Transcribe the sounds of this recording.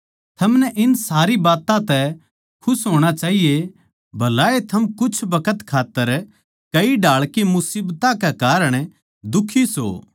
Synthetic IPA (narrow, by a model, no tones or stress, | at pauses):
t̪ʰɐmnɛʔɪnsaːɾibaːt̪ãt̪ɛ | kʰʊsɦoːɽ̃at͡ʃaːɦije | bʱɐlaːet̪ʰɐmkʊt͡ʃʰbɐkət̪kʰaːt̪ːəɾ | kɐiɖaːɭkimʊsiːbt̪ãkekaːɾəɽ̃ | d̪ʊkʰːiso̰ː